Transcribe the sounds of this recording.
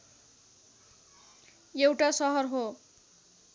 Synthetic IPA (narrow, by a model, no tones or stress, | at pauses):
ewʈasʌɦʌrɦo